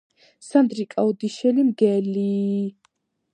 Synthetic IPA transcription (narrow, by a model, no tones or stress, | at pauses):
sand̪ɾikʼaɔd̪iʃɛlimɡɛli